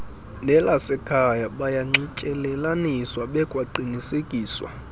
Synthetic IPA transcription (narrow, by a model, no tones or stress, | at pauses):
nɛlasɛkʰajaɓajaŋ͡ǀicʼɛlɛlaniswaɓɛkʼwaǃinisekʼiːswa̰